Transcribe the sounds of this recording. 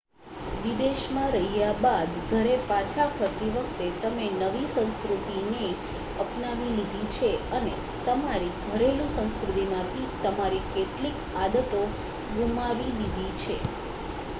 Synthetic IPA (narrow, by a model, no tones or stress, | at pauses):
ʋid̪eʃmãɾəɦijabad̪ɡʱəɾepat͡ʃʰakʰəɾt̪iʋək̚ʰt̪et̪əmenəʋisə̃nskɾut̪ine | əpnaʋilid̪ʱit͡ʃʰeəne | t̪əmaɾiɡʱəɾelũsə̃nskɾut̪imãt̪ʰit̪əmaɾikeʈlik | ad̪ət̪o | ɡumaʋilid̪ʱit͡ʃʰe